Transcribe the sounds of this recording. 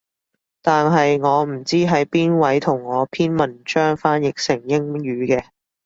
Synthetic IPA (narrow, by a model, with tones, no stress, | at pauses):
t̪aː˨nɦɐ˨jŋɔː˨˧m̩˨˩t͡siː˥ɦɐ˨˥jpiː˥nwɐ˨˥jt̪ʰʊ˨˩ŋːɔː˨˧pʰiː˥nmɐ˨nt͡ʃœː˥ŋfaː˥njɪ˨k̚sɪ˨˩ŋjɪ˥ŋɥyː˨˧kɛː˧